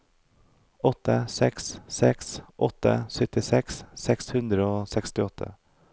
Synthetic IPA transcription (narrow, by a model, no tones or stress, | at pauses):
ɔt̪əsɛkssɛksʔɔt̪ə̰sœt̪ɪsɛkssɛkshʉnd̪ɾəoːsɛkst̪ɪɔt̪ʰə̰